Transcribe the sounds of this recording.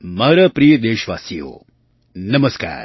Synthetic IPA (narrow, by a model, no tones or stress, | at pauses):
maːɾaːpɾijəd̪eːʃʋa̰ːsijo̰ː | nɐməska̰ːɾ